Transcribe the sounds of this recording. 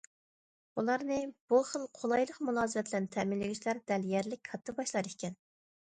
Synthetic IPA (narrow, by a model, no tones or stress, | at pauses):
ulˠɑɾnɨb̥uχəlˠqʰolˠɑjlˠəqmulˠɑːzɨvɛt̪ʰlɛnt̪ʰɛmɪnlːɪɡʲiʃlæɾd̪ɛljɛɾlɪk̚ʲkʰɑt̪ʰːɨbɑʃlˠɑɾikʲʰɛn